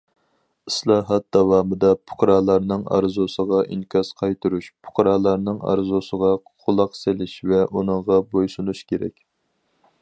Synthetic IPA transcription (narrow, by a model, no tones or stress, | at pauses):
islˠɑːɦɑt̪̚d̪̥ɑwɑːmɨd̪ɑpʰʊ̥qɾɑːlˠɑɾnɨŋɑ̰ɾzusəʁɑʔḭŋkʰʲɑsqʰɑjt̪ɨɾuʃpʰʊ̥qʰɾɑːlˠɑɾnɨŋɑ̰ɾzusəʁɑ | qʰʊlˠɑqselɪʃvɛʔunɨŋʁɑbojsunuʃkʲeɾɛ̰kʲ